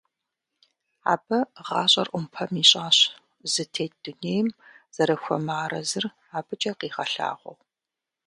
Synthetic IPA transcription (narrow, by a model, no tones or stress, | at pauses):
a̰ːbɐʁɑːɕʼɐ̰rʔʷʊmpʰɐmiːɕʼaːɕ | zɨtʰeːt̚d̥uneːjmz̥ɐɾɐxʷɔ̰maːɾɐzɨr | aːbɨt͡ʃʼɐqiːʁɐɬa̰ːʁʷɔ̰ʁ